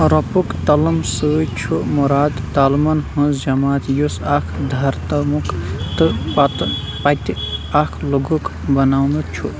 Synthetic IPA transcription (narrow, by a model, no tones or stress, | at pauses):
ɾɐpukt̪ɐlɐmsɨjt͡ʃʰumuɾaːd̪ːalmɐnhɐ̃sd͡ʒɐmaːt̪jusakʰd̪ʱɐɾt̪ɐmukt̪ɨpat̪ | pat̪iakʰloɡukbɐnaːwnɨt͡ʃʰṵ